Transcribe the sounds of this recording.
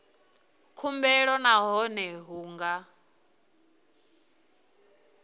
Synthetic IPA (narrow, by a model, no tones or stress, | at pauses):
kʰumbɛɺɔnaɦɔnɛɦuːŋɡa